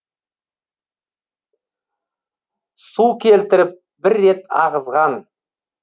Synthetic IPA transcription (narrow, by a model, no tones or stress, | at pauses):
sukʲʰe̞lt̪ɪɾɪp̚ | bɪɾːe̞t̪ɑ̰ʁəzʁɑn